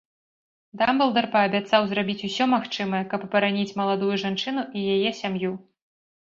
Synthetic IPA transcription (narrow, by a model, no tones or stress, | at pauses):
d̪ambɐlˠd̪ɐrpɐɐbʲat̪sawzrabʲit͡sʲusʲɔmaxt͡ʂɨmɐjɐkɐpːɐɾanʲit͡sʲmɐlˠad̪ujuʐant͡ʂɨnuʔijajɛsʲamju